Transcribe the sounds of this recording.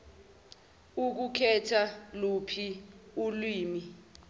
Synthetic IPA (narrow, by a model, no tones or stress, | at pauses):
uk̬ukʰɛtʰalupʰiulwiːmi